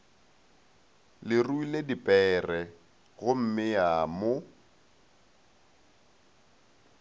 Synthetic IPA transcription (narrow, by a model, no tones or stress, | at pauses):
lɪruiledipʼɛːrɛ | ɣʊm̩mɪjamo